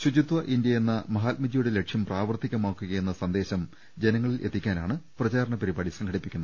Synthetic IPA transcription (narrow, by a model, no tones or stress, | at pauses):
ɕud͡ʑut̪ʋɐʔind̪jɐje̞nːɐmɐɦaːt̪̚mid͡ʑɐjuɽe̞le̞kʂjɐmpraːʋɐrt̪ːiɣʲɐmaːkːuɣɐjenːɐsɐnd̪e̞ːɕɐm | d͡ʑe̞nɐŋːɐɭilʔe̞t̪ːikʲːaːnaːɳɨprɐt͡ɕaːɾɐɳɐpɐɾibaːɽisɐŋɡʰɐɽipːikʲːunːɐ